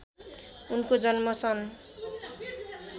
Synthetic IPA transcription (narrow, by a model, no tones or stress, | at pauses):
unkod͡zʌnmʌt͡sʰʌn